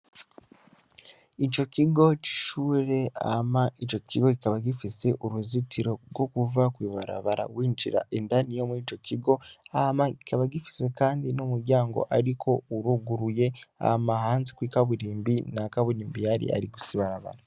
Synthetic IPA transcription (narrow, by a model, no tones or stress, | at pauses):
ico̞ciɡo̞ci̥ʃuːɾe̞a̰maico̞kiɡo̞ɡikaβaɡifise̞ʔuɾuzitiɾo̞ɾɡo̞kuvakwiːβaɾa̰βaɾa̰wiːnd͡ʒḭɾa̰ʔendanijomuiːco̞ciɡo̞amaɡikaβaɡifi̥se̞kaːndinumuɾɟaːŋɡo̞̰ʔaɾikʰo̞uɾuɡuɾuje̞a̰hamahaːnzekwiːkaβuɾiːmbinakaβuɾiːmbijaɾḭʔa̰ɾiɡusiβaɾaβa̰ɾa